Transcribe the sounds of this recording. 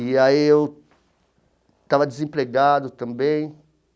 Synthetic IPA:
iaiew | t̪avɐd̪ezẽpɾeɡad̪ʊt̪ɐ̃mbẽj̃

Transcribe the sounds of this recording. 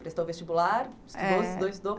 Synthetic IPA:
pɾest̪owvest͡ʃibulaɾsd̪od̪ojsd̪o

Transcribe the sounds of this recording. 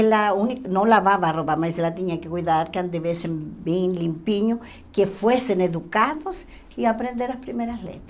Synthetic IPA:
launiknolaβaβaroβamaiselat̪eɲakekwiðaɾkeand̪eβesembinlimpiɲo | kefweseneðukaðos | iapɾend̪eɾlaspɾimeɾaslḛt̪

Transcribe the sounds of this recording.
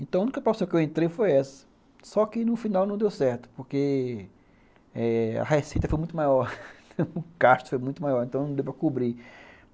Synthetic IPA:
ẽnt̪ɐ̃w̃ɐ̃unikɐpɾosɐ̃w̃kewẽnt̪ɾejfojɛsɐ̥ | sɔkɪnʊfinawnɐ̃w̃d̪ewsɛɾt̪ʊ̥poɾke | ɛɐ̰hesit̪ɐfojmũj̃t̪ʊmajɔɾ | ʊkaʃt̪ʊ̥fojmũj̃t̪ʊmajɔɾẽt̪ɐ̃w̃nɐ̃d̪ewpɾɐkubɾi

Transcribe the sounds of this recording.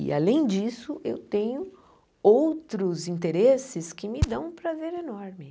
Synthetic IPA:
ɪ̰a̰lẽj̃d͡ʒisʊʔewt̪ẽɲʊ | owt̪ɾʊzĩnt̪eɾesɪskɪmɪd̪ɐ̃w̃ũpɾazeɾenɔɾmɪ

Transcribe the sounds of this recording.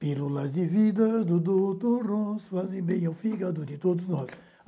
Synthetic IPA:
pilulɐzd̪ɪvid̪ɐd̪ud̪ot̪orõsfazẽbẽj̃awfiɡad̪ud̪ɪt̪od̪ʊznɔs

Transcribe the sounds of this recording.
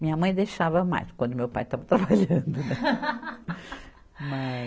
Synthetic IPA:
mĩɲɐmɐ̃j̃d̪ejʃavɐma̰jskwɐ̃d̪ʊmewpa̰jt̪avɐt̪ɾabaʎɐ̃nd̪ʊnɛ | mɐ

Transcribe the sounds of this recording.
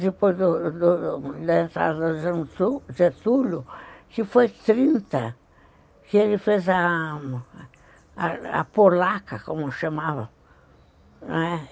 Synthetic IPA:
d̪epojzd̪ʊd̪ʊd̪aẽnt̪ɾa̰d̪ɐd̪ɐʒẽnt̪uʒet̪ulʊkɪfojt̪ɾĩnt̪ɐ | kɪelɪfeza | a̰poɾlakɐkõmʊʃamavɐ̰̃ | nɛ

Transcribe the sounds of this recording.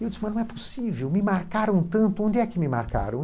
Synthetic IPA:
ewd͡ʒisɪmɐ̃nɐ̃w̃ɛposivewmɪmaɾkaɾɐ̃w̃t̪ɐ̃nt̪ʊõnd̪ɪɛkɪmɪma̰ɾka̰ɾɐ̰̃w̃

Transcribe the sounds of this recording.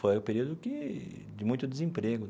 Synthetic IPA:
fojʊ̃peɾiwd̪ʊkɪ | d͡ʒɪmũj̃t̪ʊd̪ɪzẽmpɾeɡʊ

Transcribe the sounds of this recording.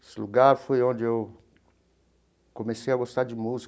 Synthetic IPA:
esɪluɡaɾfojõd͡ʒɪew | komesejɐɡost̪aɾd͡ʒɪmuzi

